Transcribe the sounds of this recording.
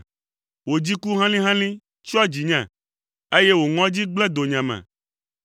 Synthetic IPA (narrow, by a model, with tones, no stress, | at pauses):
wo˨d͡ʑi˦ku˦ɦã˦lĩ˦ɦã˦lĩ˦ | t͡ʃɔ˦d͡ʑi˨ɲã˨ | e˦je˦wo˨ŋɔ̃˦d͡ʑi˦ɡ͡blɛ˦d̪o˨ɲã˨mɛ̰̃˨